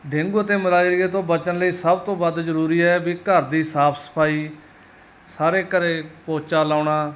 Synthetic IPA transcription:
ɖeŋɡuːət̪eːməlaːiɾiɡeːt̪õːbət͡ʃənləiːsəbt̪õːbəd̪zəɾuːɾiːɛːbiːkəɾd̪iːɦsaːpʰsə̥pʰaːiː | saːɾeːkəɾeːpoːt͡ʃaːlaːɳaː

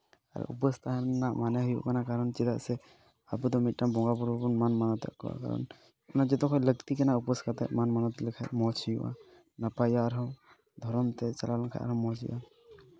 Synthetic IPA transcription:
a̰ɾ̰ṵpəst̪aɦnamaneɦujṵkanakaɾənt͡ʃid̪asɛ | abud̪ɔmiʈːambɔŋɡapuɾpunmanmanɔt̪a̰kɔ̰wa̰ka̰ɾə̰n | unad͡ʒɛt̪ɔ̃kʰɔləɡt̪ikɛnaupəskat̪amanmanɔt̪likʰamɔt͡ʃʰijuʔa̰ | napajaɾɔ̃ | d̪ʱɔɾɔmt̪ɛt͡ʃəlalkʰa̰a̰ɾɔmɔt͡ʃḭʔa̰

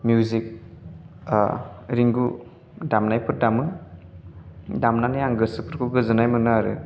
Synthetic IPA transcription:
mjuzik̚ | ɾiŋɡu | damnajpʰɯɾdamɯ | damnanajaŋɡɯsɯpʰɯɾkʰuɡɯzɯnajmɯnaaɾɯ

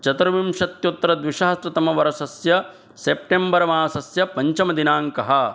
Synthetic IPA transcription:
t͡ʃɐt̪ɐɾɐʋimʃɐt̪jot̪ːɾɐd̪ʋiʃɐːɐsɾɐt̪ɐmɐʋɐɾɐsɐsjɐ | sep̚ʈembɐɾɐmaːsɐsjɐpɐɲt͡ʃɐmɐd̪inaːŋkɐɦɐ

